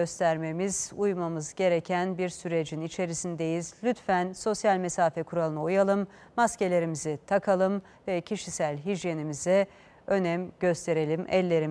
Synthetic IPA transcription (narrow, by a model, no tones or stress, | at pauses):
øst̪ʰæɾme̞miz̥ujmamɯzɟe̞ɾecʰænbiɾsyɾe̞d͡ʒinit͡ʃʰe̞ɾisind̪e̞jizlʲyt̪fænso̞sjalʲmesaːfɛkʰuɾalˠɯnaujalˠɯmː | asce̞lʲe̞ɾimizit̪ʰakʰalˠɯm | vɛcʰiʃisælʲɦid͡ʒje̞nimizɛ | ø̞nɛæmɟø̞st̪ʰe̞ɾe̞lʲimɛ̰lʲːe̞ɾi